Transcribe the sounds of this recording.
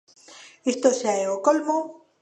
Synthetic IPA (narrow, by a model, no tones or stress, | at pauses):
ist̪oseaeokolmo